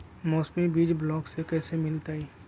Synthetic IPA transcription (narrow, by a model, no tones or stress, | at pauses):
mɔːsmibiːd͡ʒblɔːksekɛːsemɪlt̪aːiː